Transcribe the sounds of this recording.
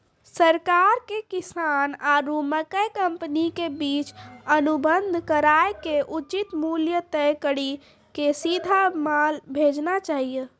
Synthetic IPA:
səɾkaɾkekisanaɾuməkəjkəmpənikebit͡ʃənubənd̪ʱkəɾaekeʔut͡ʃit̪muljət̪əjkəɽi | kesid̪ʱamalbʱed͡ʒnat͡ʃaɦijə

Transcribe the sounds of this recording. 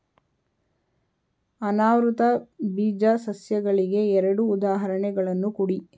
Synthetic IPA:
ɐnaːʋɾut̪ɐbiːd͡ʒasɐsjɐɡɐɭiɡe̞ɛɾɐɽuːd̪aːɦɐɾɐɳɛɡɐɭɐnːukuɽi

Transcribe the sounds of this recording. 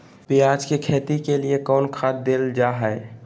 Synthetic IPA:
pijaːd͡ʒkekʰeːt̪ikeliekɔːnkʰaːt̪̚d̪eːld͡ʒaːɦɛe

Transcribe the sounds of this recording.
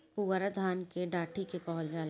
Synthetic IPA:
puəɾəd̪ʱaːnkeɖaːʈʰikekɔːld͡ʒaːl

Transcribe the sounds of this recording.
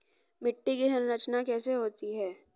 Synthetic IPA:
mɪʈːikiɦənɾɐt͡ʃnakɛːseɦoːt̪iɦɛː

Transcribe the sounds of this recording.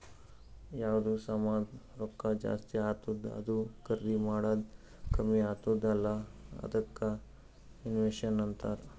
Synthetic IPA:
jaːʋd̪usamaːd̪ɾokːad͡ʒa̰ːst̪iaːt̪ud̪ɐ̰d̪ukɐɾːimaːɽaːd̪ | kɐmiaːt̪ud̪ɐlːaɐ̰d̪ɐkːa | inʋeʃɐnɐnt̪aɾ

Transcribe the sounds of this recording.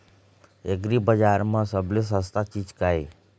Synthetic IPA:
eɡɾibəd͡ʒaɾmãsəbles̬ɦəst̪at͡ʃit͡ʃkai

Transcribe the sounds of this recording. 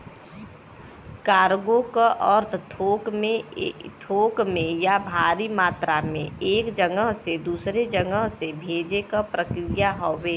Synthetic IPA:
kaːɾɡõkaʔɔɾt̪ʰt̪ʰoːkmẽt̪ʰoːkmẽjabʱaːɾimaːt̪ɾamẽeːkd͡ʒəŋɡəɦsed̪uːsɾed͡ʒəŋɡəɦsebʱeːd͡ʒekapɾəkɾɪjaɦoʋeː

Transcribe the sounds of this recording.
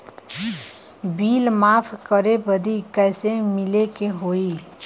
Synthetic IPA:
biːlmaːpʰkəɾebəd̪ikɛːsemɪlekeɦoːi

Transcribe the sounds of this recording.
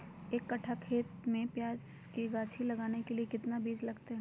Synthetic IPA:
eːkːɐʈʰakʰeːt̪mẽpjaːd͡ʒ | kiɡaːt͡ʃʰilɐɡaːnekeliekɪt̪nabiːd͡ʒlɐɡt̪eɦɛ̃

